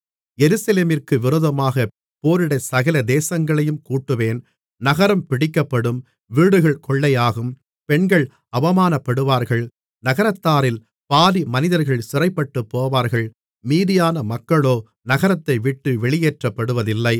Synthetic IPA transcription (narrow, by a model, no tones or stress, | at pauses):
jɛɾɯsɐleːmɪrkɯʋɪɾoːðɐmaːɣɐ | poːɾɪɽɐsɐɣɐlɐd̪eːsɐŋɡɐɭɐjɯmkuːʈːɯʋeːn | nɐɣɐɾɐmpɪɽɪkːɐpːɐɽɯm | ʋiːɽɯɣɐɭkɔɭːɐjaːɣɯm | pɛɳɡɐɭ | ɐʋɐmaːnɐpːɐɽɯʋaːɾɣɐɭ | nɐɣɐɾɐt̪ːaːɾɪl | paːðimɐnɪðɐɾɣɐɭsʊɾɐɪpːɐʈːɯpːoːʋaːɾɣɐɭ | miːðɪjaːnɐmɐkːɐɭoː | nɐɣɐɾɐt̪ːɐɪʋɪʈːɯʋɛɭɪjeːʈrɐpːɐɽɯʋɐðɪlːɐɪ